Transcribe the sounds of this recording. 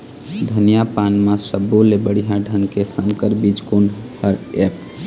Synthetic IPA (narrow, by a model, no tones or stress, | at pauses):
d̪ʱənijapanmãsəbːulebəɽiɦãɖʱəŋɡkesəŋkəɾbid͡ʒkunhəɾep